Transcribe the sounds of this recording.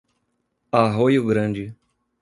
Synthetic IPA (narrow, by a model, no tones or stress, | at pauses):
aɦojʊɡɾɐ̃d͡ʒɪ